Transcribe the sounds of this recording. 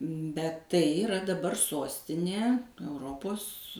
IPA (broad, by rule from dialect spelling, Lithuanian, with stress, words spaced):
bʲɛt ˈtɐɪ ɪˈrɐ dɐˈbɐr ˈsoːsʲtʲɪnʲeː ɛʊˈroːpoːs